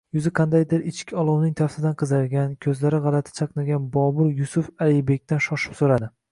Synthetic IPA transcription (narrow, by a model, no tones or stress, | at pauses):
jʊzɪqʰɑnd̪ajd̪ɪɾɪt͡ʃkʲʰɒlˠɒwnɪŋt̪ʰafsɪd̪anqʰɨzaɾɡʲankʲʰɵzlaɾɪʁɑlˠat̪ʰɪ̥t͡ʃʰɑqnaɡʲanbɒbʊɾjʊsʊfalɪbe̞kʲt̪anʃɒʃɪ̥psoɾad̪ɪ